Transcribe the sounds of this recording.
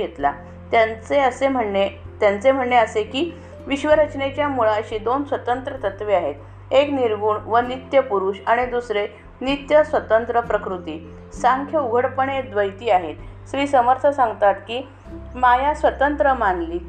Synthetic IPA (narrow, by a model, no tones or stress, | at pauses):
et̪la | t̪jat͡seəsem̤əɳːet̪jant͡sem̤əɳːeəsekiː | ʋiɕʋəɾət͡ɕɳet͡ɕjamuɭaəɕiːd̪onsʋət̪ənt̪ɾət̪ət̪ʋiːaɦet̪ | ekniɾɡuːɳʋənit̪jəpuɾuɕaɽ̃id̪usɾe | nit̪jəsʋət̪ənt̪ɾəpɾəkɾut̪iː | saŋkʰjəuɡʱəɽpəɳed̪ʋəjt̪iːaɦet̪sʋiːsəməɾt̪ʰəsãŋɡt̪at̪kiː | majasʋət̪ənt̪ɾəmanliː